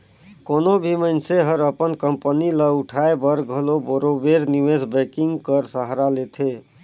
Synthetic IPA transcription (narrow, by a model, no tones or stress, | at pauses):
konobʱiməɪnseɦəɾəpənkəmpəniləuʈʰaebəɾɡʱəloboɾobeɾniwesbɛkiŋɡkəɾsəɦɾalet̪ʰe